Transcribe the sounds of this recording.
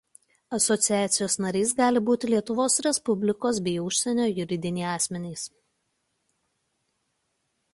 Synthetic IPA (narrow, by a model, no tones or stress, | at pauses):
ɐsɔt̪sʲɪæːt̪sʲɪjoːsnɐɾʲɛɪsɡɑːlʲɪbuːt̪ʲɪlʲiɛt̪ʊʋoːsɾʲɛspʊbʲlʲɪkoːs̬bʲɛɪʊʃʲsʲɛnʲoːjʊɾʲɪd̪ʲɪnʲɛːɑːsʲmʲɛnʲiːs